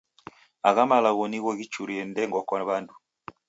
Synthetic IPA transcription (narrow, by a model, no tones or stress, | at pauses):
aɣamalaɣɔniɣɔɣit͡ʃuɾiɛndɛŋɡɔkaβandu